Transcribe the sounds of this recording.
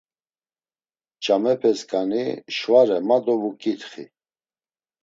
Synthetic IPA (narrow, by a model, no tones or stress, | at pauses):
t͡ʃʼamɛpʰɛskʼaniʃvaɾɛmad̪ɔvukʼit̪χḭ